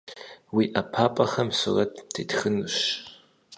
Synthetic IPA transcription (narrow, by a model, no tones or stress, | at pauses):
wiːʔɐpʰaːpʼɐxɐmsʊrɐtʰtʰeːtxɨnuɕ